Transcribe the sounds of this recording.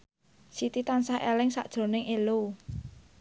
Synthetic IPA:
sit̪it̪ansahʔḛlɪŋsa̰ʔd̥ʒ̥o̤nɪŋelu

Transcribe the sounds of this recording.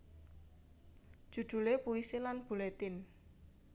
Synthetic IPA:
d̥ʒ̥ṳd̪̥ṳlepuiselanb̥ulɛt̪ɪn

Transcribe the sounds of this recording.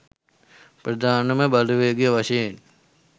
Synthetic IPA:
prɐd̪ʱaːnəməbaluʋeːɡijəʋaʃejen

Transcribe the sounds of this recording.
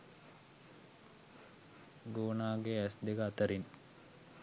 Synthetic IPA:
ɡoːnaːɡeæsd̪ekəat̪əɾin

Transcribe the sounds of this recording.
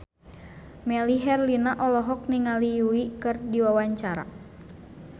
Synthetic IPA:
mɛliɦɛrlinaʔɔlɔɦɔk̚niŋalijuikɨrdiwawaɲt͡ʃaɾa̰

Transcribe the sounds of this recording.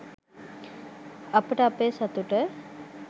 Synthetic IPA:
ɐpəʈəɐpeːsɐt̪uʈə

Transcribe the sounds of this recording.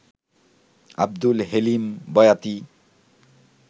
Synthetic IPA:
a̰b̚d̪ulɦelimbʌjat̪i

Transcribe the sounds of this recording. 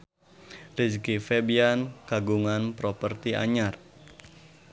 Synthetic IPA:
riskifɛbiankaɡuŋanpɾɔpərt̪ia̰ɲar

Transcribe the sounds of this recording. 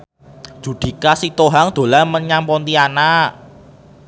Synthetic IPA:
ʒ̥ṳd̪̥i̤kasit̪oɦaŋd̪̥o̤laməɲampɔnt̪iana

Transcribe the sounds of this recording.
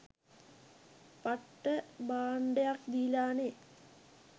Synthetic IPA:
pɐʈːəbaːɳɖejakd̪iːlaːne

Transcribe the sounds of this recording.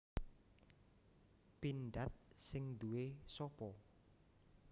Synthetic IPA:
pinɖat̪̚sɪŋd̪uwesɔpɔ

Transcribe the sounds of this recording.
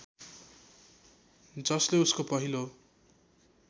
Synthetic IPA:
d͡zʌsleuskopʌɦilo

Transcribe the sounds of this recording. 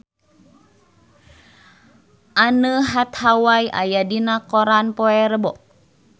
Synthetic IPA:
ʔanəɦat̪hawajʔa̰jadinakɔɾanpɔɛɾəbɔʔ

